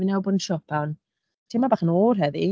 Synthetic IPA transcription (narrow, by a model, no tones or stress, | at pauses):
inawbɔdn̩ʃɔpʰan | tʰɪmabaːχənoːrɦɛði